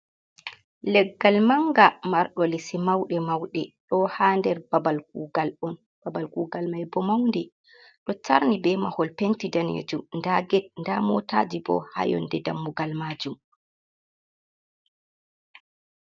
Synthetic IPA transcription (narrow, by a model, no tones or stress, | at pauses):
lɛɡːalmaŋɡamaɾɗɔlisimawɗɛmawɗɛɗɔhaːndɛɾbabalk̚uːɡalɔn | b̥abalkuːɡalmajbɔmawndɛ | ɗɔtaɾnibɛmahɔlpentidanḛd͡ʒundaɡɛd̚ndamɔta̰d͡ʒibɔ̰ha̰jɔ̰ndɛdamːuɡalmad͡ʒum